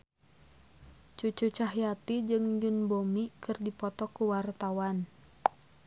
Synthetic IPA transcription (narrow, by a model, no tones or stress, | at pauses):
t͡ʃut͡ʃut͡ʃaɦjat̪id͡ʒɨŋjunbomikɨrdipɔt̪ɔkuwart̪awan